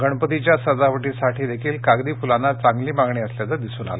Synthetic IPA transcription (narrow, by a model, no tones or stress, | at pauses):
ɡʱəɳ̃pət̪it͡ɕjasəd͡zaʋəʈiːsaʈʰiːd̪ekʰiːlkaɡd̪iːfulanːat͡saŋɡliːmaɡɳiːəsljat͡səɾd̪isuːna̰le